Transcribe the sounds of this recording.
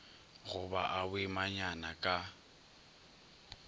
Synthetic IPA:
ɣʊbaʔabɪmaɲanakʼa

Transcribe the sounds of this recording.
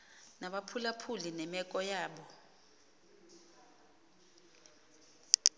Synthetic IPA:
naɓapʰulapʰulinɛmɛkʼɔjaːɓɔ

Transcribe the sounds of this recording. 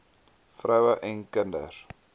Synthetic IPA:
frɐwəʔɛnkəndə̰r

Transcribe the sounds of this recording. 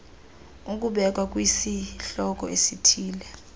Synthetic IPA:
uk̬ʼuɓɛk̬ʼwak̬ʼwisiɬɔk̬ʼɔesitʰiːlɛ

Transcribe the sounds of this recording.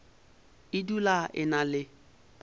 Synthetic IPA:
idulaʔɪ̰nalɪ

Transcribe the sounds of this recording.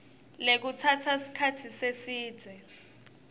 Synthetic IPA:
lek̬utʰatʰasi̥kʰatʰisesi̥ːd͡zʱɛ

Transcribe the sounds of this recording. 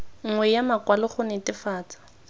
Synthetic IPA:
ŋ̩ŋwɛjamakwalɪχʊnɛtʼɪfaːt͡sḁ

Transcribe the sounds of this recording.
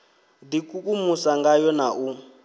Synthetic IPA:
dikʼukʼumusaŋɡajɔnaʔu

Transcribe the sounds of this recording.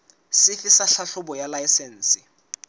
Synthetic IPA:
sɪfɪsaɬaɬʊbɔjalaisɛn̩ːsɪ

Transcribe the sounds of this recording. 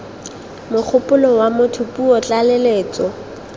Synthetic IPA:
mʊk͡xʰʊpʼʊlɔwamʊtʰʊpʼuɔt͡ɬʼaleleːt͡sɔ

